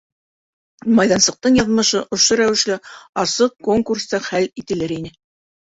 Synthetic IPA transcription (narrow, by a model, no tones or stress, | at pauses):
mɑjðɑnsɤ̆q̚t̪ɤɴjɑðmɤ̆ʃɤʔŏʃoɾæwɘ̆ʃlɘɑsɤq̚koŋkurst̪ɑχælit̪ɘ̆lɘɾinɘ